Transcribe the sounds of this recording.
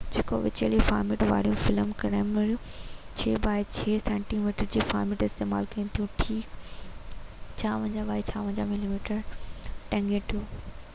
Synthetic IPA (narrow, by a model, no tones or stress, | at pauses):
d͡ʑeːko̰ʋɪt͡ɕeːlifaːɾmeːʈʋa̰ːɽijũfɪləmkɐɽãːmɐɾijũt͡ɕʰeːbaːɪt͡ɕʰeːsɛ̃ːɳʈimiːʈəɾd͡ʑiːfa̰ːɾmeːʈɪst̪eːma̰ːlkɐĩt̪ʰijũʈʰiːk | t͡ɕʰaːʋɐ̃ːɲd͡ʑaɓaːit͡ɕʰaːʋɐ̃ɲd͡ʑamɪlimiːʈəɾʈɛ̃ŋɡẽʈ̪ʰijũː